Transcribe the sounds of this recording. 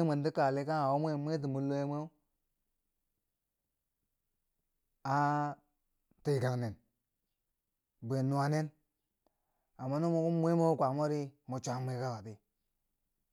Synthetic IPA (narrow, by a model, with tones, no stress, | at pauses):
me˨ndi˦ka˨li˦ka˦ŋa˨wo˦mʷ˦e˦˨mʷe˦t̬i˨mu˨lo˦e˦me˦u˦ | a˦ | ti˨ɡa˨ŋne˨n | be˨nu˦wa˦ne˦n | a˨mːa˦nu˦mu˦ku˦mʷe˦mo˦kʷa˨mo˦ɾi˦mu˨t͡ʃʷa˨˦m˦e˦ka˦wa˨ti˦